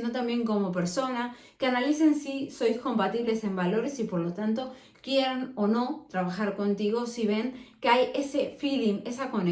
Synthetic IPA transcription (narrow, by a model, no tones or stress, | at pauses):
nd̪ot̪ambje̞ŋko̞mo̞p̬e̞ɾso̞na | keanalise̞nsiso̞jsko̞mpat̪iβle̞se̞mbalo̞ɾe̞sipo̞ɾlo̞t̪ant̪o̞ | kje̞ɾano̞no̞t̪ɾaβaxaɾko̞nt̪iɣo̞siβ̞e̞ŋkeaje̞se̞filiŋe̞sako̞ne